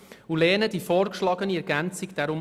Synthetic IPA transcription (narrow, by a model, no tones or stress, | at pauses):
ulɛːnəd̥ifɔːɾkʃlɑɡəniɛɾɡænt͡siɡd̥æɾʊm